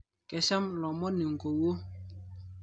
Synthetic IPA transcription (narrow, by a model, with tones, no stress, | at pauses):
kɛ˨ʃa˦mlɔ˨mɔ˦ni˨ŋ̩˨ko˨wo˦